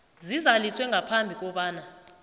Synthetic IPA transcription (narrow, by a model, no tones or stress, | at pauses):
zizaliswɛŋʱapʰambʱik̬ʼɔɓaːna